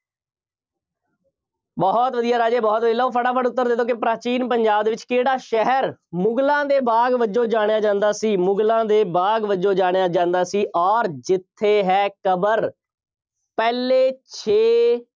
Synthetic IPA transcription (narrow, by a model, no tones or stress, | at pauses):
bɔːt̪ʋəd̪ijaːɾaːd͡ʒeːbɔːt̪ʋəiːlaːoːpʰəɽaːpʰəɖʊt̪ːəɾd̪eːd̪õːkɪpɾaːt͡ʃiːnpəɲd͡ʒaːbd̪eːʋɪt͡ʃkeːɽaːʃɛɦɛɾmʊɡlãːd̪eːbaːɡʋəd͡ʒõːd͡ʒaːɽ̃jaːd͡ʒãːnd̪aːsiːmʊɡlãːd̪eːbaːɡʋəd͡ʒõːd͡ʒaːɽ̃ejaːd͡ʒãːnd̪aːsiːʔɔːɾd͡ʒɪt̪ʰːeːɦɛːkəbəɾ | pɛːleːt͡ʃʰeː